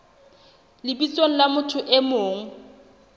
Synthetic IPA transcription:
lɪbisoŋ̩lamʊtʰʊʔɪmoːŋ̩

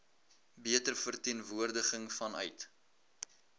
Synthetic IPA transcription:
biətərfərtiənvuərdəχəŋfɐnœ̰ɥt

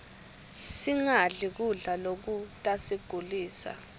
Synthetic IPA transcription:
siŋaɮik̬uɮalok̬utʼasiɡ̥ʱuliːsa̰

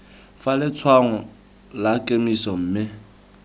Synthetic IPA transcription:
falɪt͡sʰwaŋɔ | lakʼemisɔm̩ːmɪ

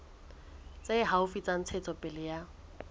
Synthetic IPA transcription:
t͡sʼaɪɦaʊfit͡sʼan̩t͡sʰɛt͡sʰʼɔpʼɪlɪja

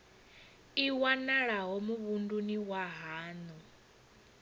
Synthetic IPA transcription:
iwanaɺaɦɔmuβunduniwaɦaːnu

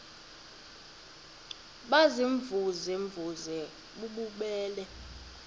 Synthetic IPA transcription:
ɓaziɱvuziɱvʱuzɛ | ɓuɓuɓɛːlɛ

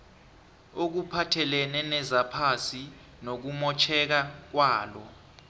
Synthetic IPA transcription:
ok̬upʰatʰɛlɛnɛnɛzapʰasi | nok̬umɔt͡ʃʰɛk̬ak̬waːlɔ

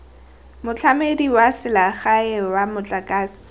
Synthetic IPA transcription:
mʊt͡ɬʰamediwasɪlaχaɪwamʊt͡ɬʼakʼaːsi̥

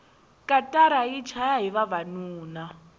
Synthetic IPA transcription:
kʼatʼaɾait͡ʃʰajaɦiβaβanuːna

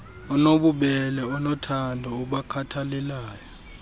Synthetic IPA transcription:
ɔnoɓuɓɛlɛɔnɔtʰandʱɔuɓakʰatʰalɛlaːjɔ

